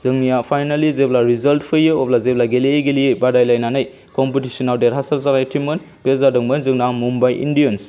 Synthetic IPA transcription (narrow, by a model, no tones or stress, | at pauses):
z̥ɯŋnijapʰajnalizeplaɾizɐltpʰɯjɯop̚lazeplaɡeliejɡelijejbadajlajnanaj | kɔmpitisinawdetɦasɐɾzaɾajtʰimːɯn | bezadɯŋmɯnzɯŋnamumbajḭndijens